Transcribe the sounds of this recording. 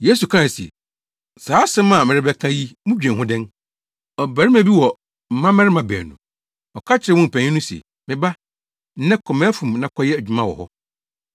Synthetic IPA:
je˦su˨kʰɾa˦˨sɛ̰˨ | saː˨˦sɪ̃˦mã˨mɪ̃˨ɾɪ˦bɛ˦kʰã˦ji˦mʊ̃˦d͡ʑᶣɛ̃˨ɦʊ̃˦dɛ̃˦n | ɔ˨bæ˨ɾɪ˦mæ̃˨bi˦wɔ˨ | m̩˨mã˦mɪ˦ɾɪ˦mã˨bɛ̰˨nṵ̃˨ | ɔ˨kʰa˦t͡ɕʰɪ˨ɾɪ˨wɔ̃˦m̩˨pʰæ̃˨ɲĩ˦nʊ̃˦si˨ɛ̰˨ | mɪ̃˨ba˦ | n̩˦nɛ̃˦kʰɔ˨mɛ̃˦æ˦fũ˨mnã˨˦kʰɔ˦jɛ˦æ˨d͡ʑᶣu˦mã˦wɔ̰˨hɔ˦

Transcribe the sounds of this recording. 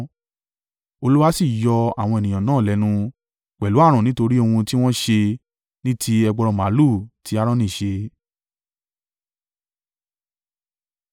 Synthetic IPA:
o˧lu˦wa˦si˦˨jɔ˧a̰˨w̃ɔ̃˧e˨nĩ˨jã˨nãː˦˨lɛ˨˦nũ˧ | k͡pɛ˨lu˨˦a˦˨ɾ̃ɔ̃˨nĩ˨˦to˧ɾi˦o˧hũ˧ti˦w̃ɔ̃˦ʃe˧ | nĩ˦tʰi˦ɛ˧ɡ͡bɔ˧ɾɔ˧ma˨˦lu˦˨ti˨˦a˦ɾɔ̃˦nĩ˦˨ʃe˧

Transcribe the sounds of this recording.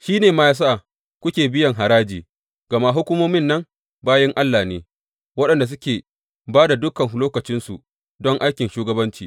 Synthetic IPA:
ʃiː˦neː˨maː˦jaː˦s̬a˦ʔa˨ | kʷʊ˦kʲeː˨bɪ˦jɐ˨ŋɦa˨ɾaː˦d͡ʒiː˨ | ɡ̥ɐ˨ma˦ɦʊ˦kʷʊ˦moː˦mɪ˦nːɐ˦ŋ | baː˦jɐ˦ŋʔa˦lːaː˨neː˨ | wɐ˦ɗɐ˨nda˨s̬ʊ˦kʲeː˨ | baː˦da˨dʊ˦kɐ˨ŋ˨˦loː˦kɐ˨t͡ʃɪ˦nsu˨ | dɔ˦ŋʔa˦jkʲɪ˨nʃuː˦ɡɐ˦bɐ˦nt͡ʃḭː˨

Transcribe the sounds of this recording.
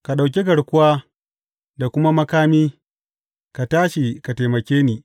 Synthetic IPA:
ka˨ɗa˨wk̬ʲi˦k̬ɐ˨ɽkʷʊ˦waː˦ | da˨kʷʊ˦ma˦mɐ˦kaː˦miː˦ | ka˨taː˦ʃi˨ka˨te˨mɐ˨kʲeː˦niː˨

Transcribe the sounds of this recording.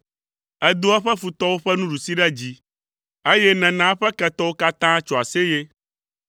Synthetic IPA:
ɛ˦d̪o˦a˦ɸɛ˦fu˨t̪ɔ˦wo˦ɸɛ˦nũ˦ɖu˨si˦ɖɛ˦d͡ʑi˦ | e˦jɛ˦nɛ̃˨nã˨˦ɸɛ˦kɛ˦t̪ɔ˦wo˦ka˦t̪ã˦t͡ʃo˨a˨se˦je˦

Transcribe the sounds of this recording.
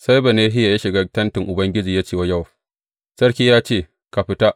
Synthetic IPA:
sa˦jbɐ˨neː˦ɦɪ˦ja˨ja˦ʃɪ˨ɡa˦tɐ˦ntɪ˨ŋʔʊ˨bɐ˦ŋɡʲɪ˦d͡ʒiː˨ja˦t͡ʃeː˦˨wa˦ja˦˨w | sɐ˦ɽkʲiː˦jaː˦t͡ʃeː˦˨ | ka˨ɸɪ˦ta˦ʔ

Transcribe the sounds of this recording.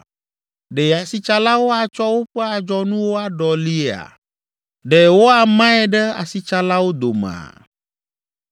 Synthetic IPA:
ɖe˨a˨si˦t͡ʃa˦la˦wo˦a˨t͡ʃɔ˦wo˦ɸɛ˦a˨d͡ʒɔ˦nũ˦wo˦a˦ɖɔ˨li˦e˦a̰˨ | ɖe˨wo˦a˨mã˦ɛ˨ɖɛ˦a̰˨si˦t͡ʃa˦la˦wo˦d̪o˨mã̰˨

